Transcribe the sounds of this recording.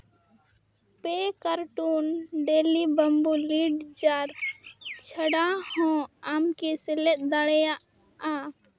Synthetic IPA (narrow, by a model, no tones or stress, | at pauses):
pekaɾʈunɖelibəmbuliɖd͡ʒaɾ | t͡ʃʰəɽahɔ̃amkɛsɛlɛt̪̚ˀd̪aɽɛjaʔ | a